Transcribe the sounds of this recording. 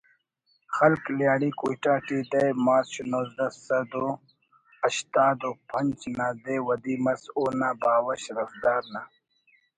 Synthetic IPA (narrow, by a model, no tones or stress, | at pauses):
xɐlkljaːɽikujʈaːʈiːd̪ɐjmaːɕunozd̪ɐsɐd̪o | ɐʃt̪aːd̪opʰɐnt͡ʃnaːd̪eːwɐd̪iːmɐsoːnaːbaːwɐɕɾɐfd̪aːɾna